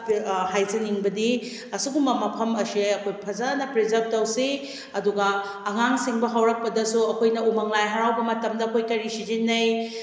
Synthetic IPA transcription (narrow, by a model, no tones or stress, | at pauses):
ɦajzɐniŋbɐdi | ɐsuɡumbɐmɐpʰɐmɐsiɐkʰojpʰɐzanɐpɾizɐɾb̚tɐwsi | ɐduɡɐː | ŋaŋsiŋbɐɦɐwɾɐk̚pɐdɐsuɐkʰojnɐumɐŋlajɦɐɾawbɐmɐtɐmdɐːkʰojkɐɾisid͡ʒinːɐj